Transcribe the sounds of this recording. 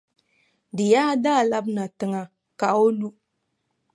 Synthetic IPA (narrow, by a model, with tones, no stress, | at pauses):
dɨ˨jaː˦daː˦˨la˦bna˨tɨ˦ŋa˦ | ka˨o˦lu˦